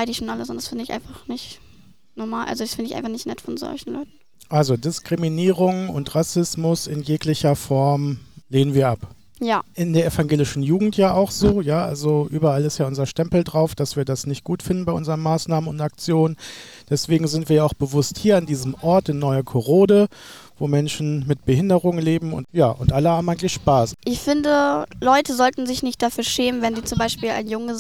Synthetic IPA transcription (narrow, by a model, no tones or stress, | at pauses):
aɪdəɪçʃoːnʔaləsɔnd̥asfɪndəɪçʔa̰ɪnfaχnɪçt | nɔɐmaːlʔa̰lzodasfɪndəɪçʔaɪnfaχnɪçtnɛtfɔnzɔ̰lçn̩lɔ̰ʏtn̩ | ʔalzodɪskʁ̥iminiːʁʊŋʊ̰ntʁasɪsmʊsɪnjeːklɪçɐfɔɐmleːnənviːɐʔap | jaːʔɪndeːɐʔefaŋɡeːlɪʃn̩juːɡŋ̩tjaːʔaʊxz̥oːjaːʔalzoʔyːbɐalɪstjaːʔʊnzɐʃtɛmpl̩dʁaʊfd̥asv̥iːɐdasnɪçt̚ɡ̥uːtfɪndn̩baɪʔʊnzəʁənmaːsnaːmənʊ̰ntak̚t͡sjoːnən | d̥ɛsv̥eːɡŋ̩zɪntviːɐjaaʊxb̥əvʊsthiːɐandiːzəmʔɔɐtɪnːɔʏəkʰoʁoːdəvoːmɛnʃn̩mɪt̚b̥əhɪndəʁʊŋleːbm̩ʊ̰ntjaːʔʊntʔaləhaːbm̩aɪŋtlɪçʃpaːsʔɪçfɪndəlɔʏtəzɔltn̩zɪçnɪçtd̥afyːɐʃɛːmənvɛnziːt͡sʊmbaɪʃpiːla̰ɪnjʊŋə